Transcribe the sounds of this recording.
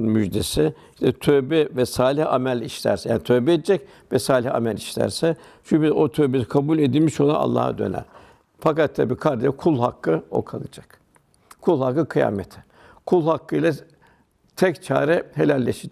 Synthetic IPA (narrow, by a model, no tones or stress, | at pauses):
nmyd͡ʒd̪e̞sɪ | ʃt̪ʰɛt̪ʰøbɛvɛsaːlʲihamælʲiʃlʲæ̰ɾsɛjaːnit̪ʰøbɛed̪ɛd͡ʒɛc | vɛsaːlʲiha̰mælʲiʃlʲæ̰ɾsɛ | ʃupiot̪ʰøbeɾikʰabulʲe̞d̪ilʲmiʃolˠa̰a̰lˠːa̰ːha̰d̪ø̞̰næ̰ɾ̥ | fakat̪ʰːabiːkʰaɾd̪ejkʰulˠhakːɯo̞̰kʰalˠɯd͡ʒak | kʰulˠhakːɯkʰɯja̰ːmet̪ʰi̥ | kʰulˠhakːɯjlʲa | t̪ʰɛct͡ʃʰa̰ːɾɛhe̞lʲælʲːeʃi